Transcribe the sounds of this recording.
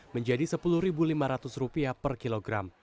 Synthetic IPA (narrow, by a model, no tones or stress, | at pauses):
məɲd͡ʒadisəpuluhɾibulimaɾat̪ʊsrupiapərkiloɡɾam